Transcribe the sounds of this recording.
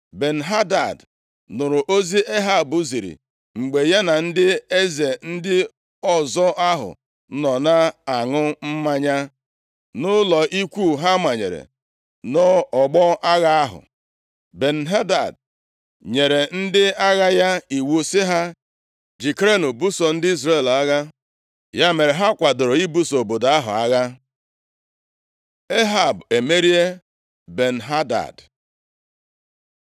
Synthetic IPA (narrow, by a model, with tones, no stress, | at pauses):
be˨n̩˨ɦa˦da˨d | nʊ˨ɾʊ˨ʔo˦zi˦ʔe˦ɦa˦˨bʊ˦zi˨ɾḭ˨ | ŋ͡m̩˨ɡ͡be˨ja˦na˨n̩˦dɪ˦e˦ze˨n̩˦dɪ˦ | ɔ˦zɔ˦a˦ɦʊ̰˨ | nɔ˨na˦a˨ŋʊ˦m̩˦ma˦ɲa˦ | nʊ˦lɔ˨ʔi˦kʷu˦ɦa˦ma˨ɲḛ˨ɾḛ˨ | nɔ˦ɔ˨ɡ͡bɔ˦ʔa˦ɣa˦a˦ɦʊ̰˨ | be˨n̩˨ɦa˦da̰˨d | ɲe˨ɾe˨n̩˦dɪ˦a˦ɣa˦ja˦i˨wu˦sɪ˦ɦa˦ | d͡ʒi˨kɾe˦no˨bu˦sɔ˨n̩˦dɪ˦i˦zɾe˦˨la˦ɣa˦ | ja˦me˨ɾe˨ɦa˦kʷa˨dʊ˨ɾʊ˨i˦bu˦so˨o˨bo˨da˦ɦʊ̰˨a˦ɣa˦ | e˦ɦa˨be˨me˦ɾi˦e˦ | be˨n̩˨ɦa˦da̰˨d